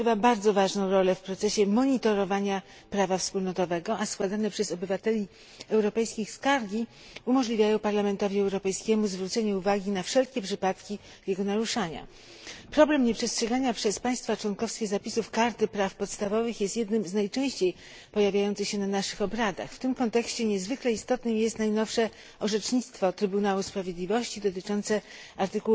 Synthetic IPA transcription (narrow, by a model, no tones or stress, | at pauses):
vabaɾd̪zɔvaʐnɔ̃w̃ɾɔlɛfpɾɔt̪sɛɕɛmɔɲit̪ɔɾɔvaɲa | pɾavafspulnɔt̪ɔvɛɡɔʔaskwad̪anɛpʂɛzɔbɘvat̪ɛlʲi | ɛwɾɔpɛjskʲixskaɾɡʲi | umɔʐlʲivʲjajɔ̃w̃paɾlamɛnt̪ɔvʲiɛwɾɔpɛjskʲɛmuzvɾut̪sɛɲɛuvaɡʲinafʂɛlkʲɛpʂɘpat̪kʲi | jɛɡɔnaɾuʂaɲa̰ | pɾɔblɛmɲɛpʂɛstʂɛɡaɲapʂɛspaj̃st̪fat͡ʂwɔnkɔfskʲɛzapʲisufkaɾt̪ɘpɾafpɔt̪st̪avɔvɘxjɛst̪jɛd̪nɘmznajt͡ʂɛ̃w̃ɕt͡ɕej | pɔjavʲjajɔntsɘɕɛnanaʂɘxɔbɾad̪a̰xft̪ɘmkɔnt̪ɛkɕt͡ɕɛɲɛzvɘklɛist̪ɔt̪nɘmjɛst̪najnɔfʂɛ | ɔʐɛt͡ʂɲit̪st̪fɔt̪ɾɘbunawuspɾavʲjed̪lʲivɔɕt͡ɕid̪ɔt̪ɘt͡ʂɔnt̪sɛ | aɾt̪ɘkuw